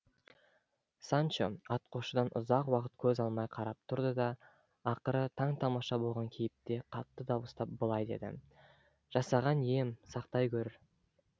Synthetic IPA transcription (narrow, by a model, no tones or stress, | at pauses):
sɑnt͡ʃoɑt̪̚qoʃəd̪ɑnʔʊ̰zɑqwɑqət̪̚kʲʰɵzɑlˠmɑjqʰɑɾɑp̚t̪ʰʊɾd̪əd̪ɑ | ɑqəɾət̪ʰɑɴt̪ʰɑmɑʃɑbo̞lˠʁɑŋkʲʰejɪp̚t̪e̞qʰɑt̪ːəd̪ɑbəst̪ɑp̚bəlˠɑjd̪e̞̰d̪ɪ̰ | ʒ̥ɑsɑʁɑnije̞msɑqt̪ɑjkʲʰɵɾɪɾ